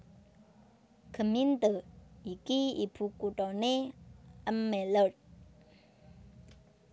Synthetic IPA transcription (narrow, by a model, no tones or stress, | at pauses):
kʰəmint̪əikiḭpʰukutɔneʔamːɛlət̚